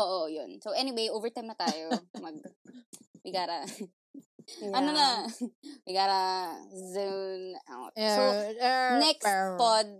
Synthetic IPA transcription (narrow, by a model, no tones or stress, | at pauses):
ʔoːʔojonsowʔɛnɪwejʔoːvɛɹt̪ajmnɐt̪aːjomɐɡ̚ | mɪɡaːɾɐ | ʔɐnonɐ | mɪɡaːɾɐzuna̰wt̪sownɛkspɔd̪̚